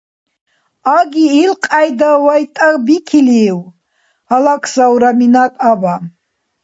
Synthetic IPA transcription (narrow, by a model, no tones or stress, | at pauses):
aɡʲiːlqʼajd̪awajtʼabikʰiliw | alakʰzawɾaminatʼaba